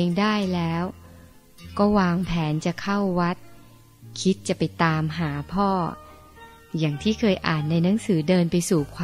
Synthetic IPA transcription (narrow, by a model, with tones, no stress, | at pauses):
e˧ŋdaː˥˩jlɛː˦˥w | kɔː˥˩waː˧ŋpʰɛː˩˦nt͡ɕa˨˩kʰa˥˩wːa˦˥t̪̚ | kʰi˦˥t̪̚t͡ɕa˨˩pa˧jt̪aː˧mɦaː˩˦pʰɔː˥˩ | jaː˨˩ŋt̪ʰiː˥˩kʰɤː˧jʔa̰ː˨˩nːa˧jna˩˦ŋsɯː˩˦dɤː˧npa˧jsuː˨˩kʰwaː˧